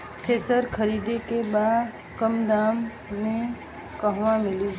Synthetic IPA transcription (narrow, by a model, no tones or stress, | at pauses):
pʰeːsəɾkʰəɾiːd̪ekebaːd̪ | kəmd̪aːmː | ẽ | kəɦʋamɪli